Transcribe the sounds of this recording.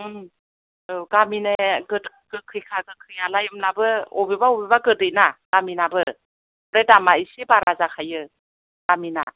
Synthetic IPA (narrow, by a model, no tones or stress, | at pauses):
ɯɡamineɡɯt | ɡɯkʰɯjkʰaɡɯkʰɯjalajɯmnabɯɔbibaobibaɡɯtɯjnaɡ̥aminabɯ | bɾedamaisibaɾazakʰajɯ | ɡ̥amina̰